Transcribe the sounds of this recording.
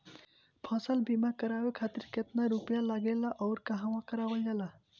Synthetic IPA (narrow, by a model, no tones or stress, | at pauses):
pʰʌsəlbimakəɾawekʰat̪iɾket̪naɾupjalaɡelaʔɔʊɾkaɦãwãkəɾawəld͡ʒala